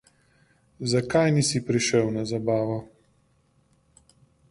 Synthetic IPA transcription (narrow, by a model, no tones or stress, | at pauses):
zakajnisipɾiʃɛwnazabaːʋɔ